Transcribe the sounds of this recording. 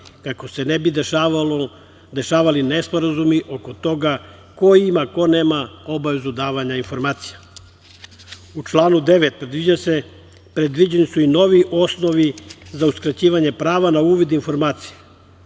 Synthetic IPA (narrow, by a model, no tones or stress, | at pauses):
kako̞se̞nebid̪ | d̪e̞ʃaːʋalinespo̞ɾazumiʔo̞ko̞t̪o̞ɡa | ko̞imako̞neːmao̞baʋe̞zud̪aːʋaɲainfo̞ɾmaːt̪sija | ut͡ʃlˠaːnud̪e̞ʋet̪̚pɾe̞d̪ʋid͡ʑase | pɾed̪ʋid͡ʑe̞nisuino̞ʋiʔo̞sno̞ʋizauskɾat͡ɕiːʋaɲe̞pɾaːʋanauːʋid̪info̞ɾmaːt̪sije